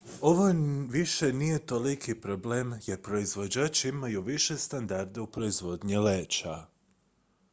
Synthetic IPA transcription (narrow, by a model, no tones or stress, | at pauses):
o̞ʋoʋiʃe̞nije̞t̪o̞likʰipɾo̞bleːmje̞ɾpɾo̞izʋo̞d͡ʒaːt͡ʃimajuʋiʃe̞st̪and̪aɾd̪eupɾo̞izʋo̞d̪ɲileːt͡ʃa